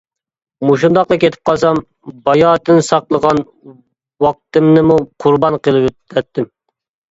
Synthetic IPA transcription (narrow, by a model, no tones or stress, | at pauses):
muʃund̪ɑqlɑkʲʰet̪ʰɪ̥p̚qʰɑlˠsɑm | bɑjɑːt̪ɨnsɑqlˠəʁɑn | wɑq̚t̪ɨmnɨmuqʰʊɾbɑnqʰəlˠɨpøt̪ʰːɛt̪ʰːɪm